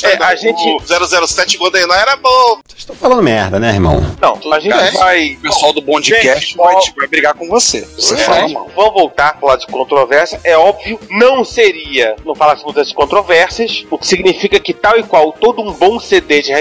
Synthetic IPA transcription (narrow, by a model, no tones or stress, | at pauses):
ɛaʒẽt͡ʃzɛɾʊzɛɾʊsɛt͡ʃɪkwɐ̃d̪ẽnãw̃ɛɾɐbõ | ʃt̪ɐ̃w̃falɐ̃d̪ʊmɛɾd̪ɐnɛeɾmɐ̰̃w̃nɐ̃w̃aʒẽkvajpesʊawd̪ʊbõd͡ʒĩkɛʃt͡ʃt͡ʃajɪvajbɾiɡaɾkõvoseosealma̰wvɐ̃w̃vowt̪aɾpɾʊlad̪ʊd͡ʒɪkõnt̪ɾovɛɾsɐʔɛɔbviʊnɐ̃w̃seɾiɐnɐ̃w̃falasimũzɐskõnt̪ɾovɛɾsɐʃʊkɪ̥siɡnifikɐkɪt̪awɪkwawt̪od̪ʊũbõw̃sed̪ed͡ʒɪhe